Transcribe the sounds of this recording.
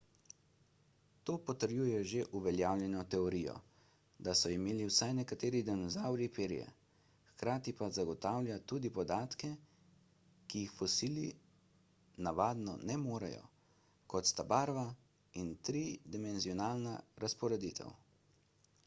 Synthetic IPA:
t̪oːpɔt̪əɾjujɛʒeʔuʋɛljaːwljɛnɔt̪ɛɔɾijɔ̰ | d̪asɔimeːliwsajnɛkat̪eːɾid̪inɔzawɾipeːɾḭjɛ̰ | xkɾaːt̪ipazaɡɔt̪aːwlʲjat̪ud̪ipɔd̪aːt̪kɛ | kijixfɔsiːli | naʋaːd̪nɔ̰nɛmoːɾɛ̰jɔ̰ | kɔt̪st̪abaɾʋa | int̪ɾiːd̪imɛnziɔnaːlnaɾaspɔɾɛd̪it̪ʰɛ̰w

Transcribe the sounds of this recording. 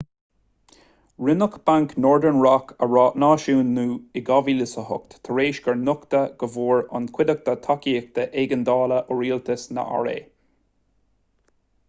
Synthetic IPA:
ɹɪnʊkb̥aŋknɔːɹd̪əɹnɹɑkəɹɑːʔnɑːʃuːnːuːɪɡɑvilɪsəhʊ̰kt̪t̪ʰəɹeːʃɡəɹnʊkt̪əɡ̥əvuːɹa̰nkʰwɪd̪ək̚t̪ət̪ʰɔkiːk̚t̪əʔeɡənd̪ɑːləʔɔɹiːlt̪ʰəsnə̰ʔa̰ɹḛː

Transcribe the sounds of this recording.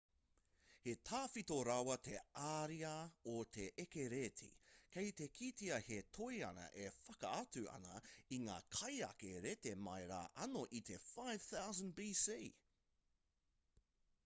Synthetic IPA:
he̞tʰaːfitoɾɐwɐtʰeaːɾiɐotʰeʔekeɾetʰḭkʰejt̪ekʰitiɐhetʰojɐ̰nɐ̰ʔefɐkɐ̰ɐt͡sʉɐ̰nɐ̰iŋa̰ːkʰɐjɐ̰keɾetemɐjɾa̰ːʔɐnoʔit̪ʰefajv̥θawzə̃nbiːsiː

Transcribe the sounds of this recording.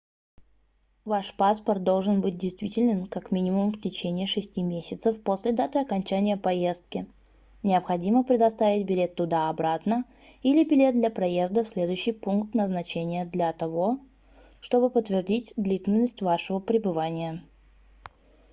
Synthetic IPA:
vaʂpaspərt̪̚d̪o̞lˠʐɨnbɨt̚ʲdʲɪjst̪vʲitʲɪlʲnʲɪnkakmʲinʲɪmʊmftʲɪt͡ɕenʲɪːʂɨsʲtʲimʲesʲɪt̪səfpo̞sʲlʲɪd̪at̪əjɐkɐnʲt͡ɕænʲɪjəpɐje̞st̪̚kʲɪ | nʲɪəpxɐdʲiməpɾʲɪd̪ɐst̪avʲɪt̚ʲbʲɪlʲe̞t̪ːʊd̪aɐbɾat̪nə | ilʲɪbʲɪlʲe̞t̪̚d̪lʲɐpɾɐje̞zd̪əfsʲlʲe̞d̪ʊjʏɕːɪjpunkt̪nəznɐt͡ɕenʲɪjəd̪lʲɐt̪ɐvo̞ | ʂt̪o̞bɨpət̪ːvʲɪrdʲitʲd̪lʲitʲɪlʲnːəsʲtʲvaʂəvəpɾʲɪbɨvanʲɪjə

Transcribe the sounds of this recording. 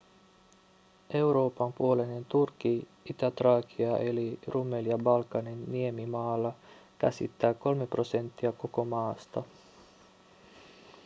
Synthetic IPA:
ʔe̞wɾo̞ːpɑmpuo̞lenent̪urki | it̪æt̪rɑːkiɑʔe̞lirʔumeljɑbɑlkɑninːie̞mimɑːlːɑkæ̰sḭt̪ːæːko̞lme̞pro̞se̞nt̪ːiæko̞ko̞mɑːst̪ɑ

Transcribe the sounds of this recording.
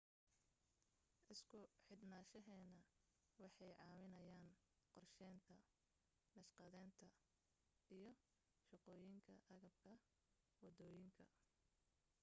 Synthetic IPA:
ʔɪskʰʊħɪd̪naːʃɐɦɛːnɐ | wɑħɑjʕɑːwɪnɐjaːn | qɔrʃɛːnt̪ʰɐ | lɐʃqɑðɛːnt̪ʰɐ | ijɞ | ʃɑqɔːjɪŋkʰɐʔɐɣɐb̚kʰɐ | wɑd̪ɔːjɪŋkʰɐ

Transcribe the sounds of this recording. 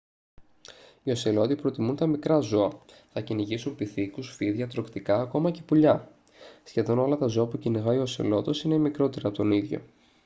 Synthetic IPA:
io̞selo̞t̪ipɾo̞t̪imunt̪ɐmikɾɐzo̞ɐ | θɐciniʝisumpiθikusfiðʝɐt̪ɾo̞kt̪ikɐːko̞mɐce̞̥puʎɐ | sçe̞ðo̞no̞lɐt̪ɐzo̞ɐpuciniɣɐio̞sḛlo̞t̪o̞sinemikɾo̞t̪e̞ɾɐpot̪o̞niðʝo̞̰

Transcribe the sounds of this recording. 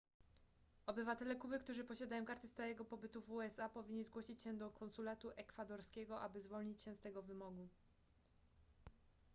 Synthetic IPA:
ɔbɘvat̪ɛlɛkubɘkt̪uʐɘpɔɕad̪ajɔ̃w̃kaɾt̪ɘst̪aɾɛɡɔpɔbɘt̪uvuɛsapɔvʲiɲːʲizɡwɔɕit͡ɕɕɛd̪ɔkʰɔnsulat̪uʔɛkfad̪ɔɾskʲɛɡɔʔa̰bɘzvɔlɲit͡ɕɕɛst̪ɛɡɔvɘmɔɡu

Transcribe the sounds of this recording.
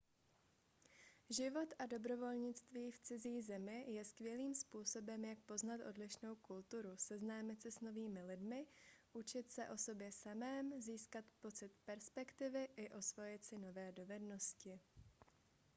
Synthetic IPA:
ʒɪvo̞t̪ado̞bɾo̞vo̞lɲɪt͡st̪viːft͡sɪziːzɛmɪjɛskvjɛliːmspuːso̞bɛmjak̚po̞znat̪ʔo̞̰dlɪʃno̞wkult̪uɾusɛznaːmɪt̪sɛsno̞viːmɪlɪdmɪʔut͡ʃɪt̪sɛʔo̞so̞bjɛsamɛːmziːskat̪po̞t͡sɪt̪pɛɾspɛkt̪ɪvɪʔɪʔo̞svo̞jɪt̪sɪno̞vɛːdo̞vɛdno̞scɪ

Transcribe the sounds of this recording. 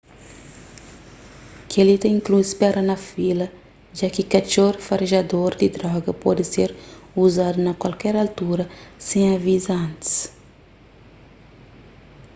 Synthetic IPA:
kʰelit̪ɐĩŋkluspɛɾɐnɐfilɐ | ʒakikat͡ʃoɾfaɾiʒad̪oɾd̪id̪ɾɔɡɐpɔ̰d̪ɪseɾuzad̪unɐkwalkɛɾalt̪uɾɐsẽj̃avizɐɐ̃nt̪i̥s

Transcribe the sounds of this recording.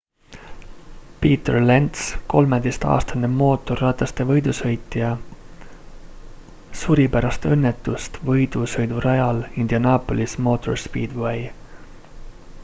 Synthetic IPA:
piːt̪ḛrlent̪sko̞lmed̪ejst̪ɑ̰ːst̪ɑnːemo̞ːt̪ːˑorɑt̪ˑːɑst̪e̞vɤjd̪ushɤjt̪ːˑijɑ | suɾipæɾɑst̪eɤnːet̪ːˑust̪vɤjd̪̥ushɤjd̪uɾʔɑjɑlind̪̥jɑnɑːpolismo̞t̪ʰˑorspiːd̪wej

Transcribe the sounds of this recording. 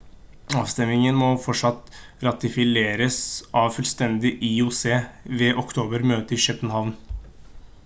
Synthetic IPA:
ɑːʋst̪ɛmɪŋənmɔfɔʈʂɑt̪ɾɑt̪ɪfɪleːɾəsʔɑːʋfʉlst̪ɛnd̪ɪʔɪʊseːʋɛːʔɔkt̪ʰoːbəɾmøːt̪əɪʃœpːənhɑʋn

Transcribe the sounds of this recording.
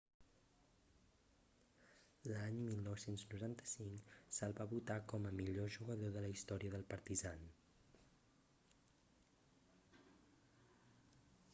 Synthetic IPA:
laɲmilˠnɔwsenznuɾant̪ə̥siŋksəlˠβaβut̪akɔməmiʎoʒuɣəðoðələist̪ɔɾiəðəlˠpəɾt̪izan

